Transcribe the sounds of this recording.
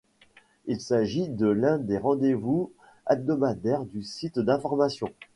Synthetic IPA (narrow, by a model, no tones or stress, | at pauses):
ilsaʒid̪əlɛ̃d̪eʁɑ̃d̪evu | ab̚d̪ɔmad̪ɛʁd̪ysit̪d̪ɛ̃fɔʁmasjɔ̃